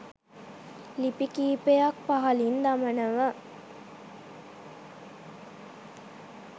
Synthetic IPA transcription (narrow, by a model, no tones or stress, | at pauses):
lipikiːpejak̚paɦɐlind̪amənəʋə